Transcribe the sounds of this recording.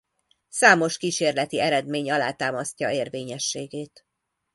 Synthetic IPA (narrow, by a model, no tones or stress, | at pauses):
saːmo̞ʃkiːʃeːrlɛt̪iɛɾɛd̪meːɲɒlaːt̪aːmɒscɒeːrveːɲɛʃːeːɡeːt̪